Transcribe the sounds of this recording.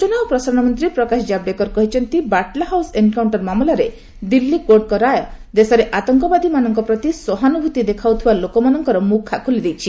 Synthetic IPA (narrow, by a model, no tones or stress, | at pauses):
t͡ʃɔnawpɾɔsaɾɔ̃ɔmɔnt̪ɾipɾɔkasd͡ʒab̚ɖekɔɾkɔɦit͡ʃʰɔnt̪ibaʈlaɦawsenkawɳʈɔɾmamlaɾe | d̪ilːikoɾɖ̚kɔɾajɔd̪esɔɾeʔat̪ɔŋkɔbad̪imanɔŋkɔpɾɔt̪isɔɦanubʱut̪id̪ekʰawt̪ʰibalokɔmanɔŋkɔɾɔmukʰːakʰulid̪ejt͡ʃʰi